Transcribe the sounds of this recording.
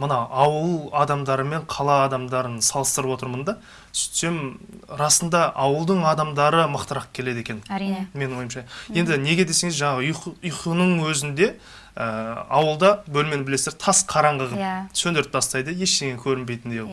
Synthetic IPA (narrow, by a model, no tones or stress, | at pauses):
mənɑɑwəlˠɑd̪ɑmd̪ɑɾəme̞ɴqʰɑlˠɑːd̪ɑmd̪ɑɾənsɑlˠəst̪əɾəpwo̞t̪əɾmənd̪ɑ | sʏ̥t̪se̞mɾɑsənd̪ɑʔɑwəlˠd̪əɴɑd̪ɑmd̪ɑɾəməqt̪əɾɑq̚kʲʰe̞le̞d̪e̞kʲe̞nme̞nɪŋo̞jmʃɑje̞nd̪ɪne̞ɡʲe̞d̪e̞se̞ŋɪzʒɑɴɑʁəʊjqənəɴwɵzɪnd̪e̞ | əɑwəlˠd̪ɑbɵlmeɪbɪle̞seɾt̪ʰɑsqʰɑɾɑɴʁəʁəsɵnd̪eɾɪt̪̚bɑst̪ɑjd̪əje̞ʃt̪eŋʲeŋkʲʰɵɾɪnbe̞jt̪ɪnd̪e